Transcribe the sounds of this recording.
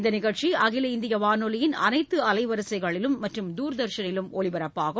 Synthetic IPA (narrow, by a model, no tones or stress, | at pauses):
nd̪ɐnɪɣɐɻt͡ʃiɐɣɪlɐɪnd̪ɪjɐʋaːnolɪjɪnɐ̰nɐɪt̪ːɯɐlɐɪʋɐɾɯsɐɪɣɐɭɪlɯmːɐʈrɯmd̪uːɾɯd̪ɐɾʃɐnɪlɯmɔɭɪʋɐɾɐpːaːɣɐ